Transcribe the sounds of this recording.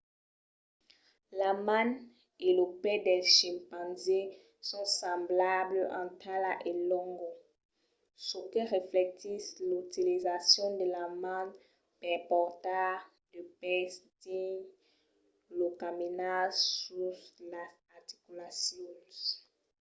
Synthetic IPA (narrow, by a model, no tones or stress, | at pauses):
lamãn | elopɛd̪ɛʃĩpãnze | sɔ̃sɑ̃mblabləʔɑ̃t̪ʰalaʔelɔ̃ŋɡɔ | səkəʁeflɛt̪islut̪ilizasjɔ̃d̪əlamãn | pɛpɔʁt̪a | dəpɛstĩ | lokaminasuslaz | aʁt̪i̥kylasjɔs